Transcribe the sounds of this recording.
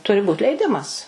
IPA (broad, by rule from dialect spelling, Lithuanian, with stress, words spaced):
ˈtʊrʲɪ buːt lʲɛɪˈdʲɪmɐs